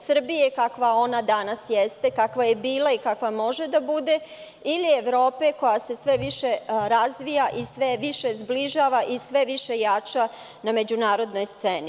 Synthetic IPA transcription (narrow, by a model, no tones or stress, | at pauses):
sr̩bije̞kakʋao̞nad̪anasjest̪e̞kakʋaje̞biːlˠaikakʋamo̞ʒe̞d̪abud̪e̞ | ilieʋɾo̞ːpe̞ko̞jase̞sʋeʋiʃeɾazʋijaʔisʋeʋiʃe̞zbliʒaːʋaʔisʋe̞ʋiʃejat͡ʃa | name̞d͡ʑunaːɾo̞d̪no̞jst̪seni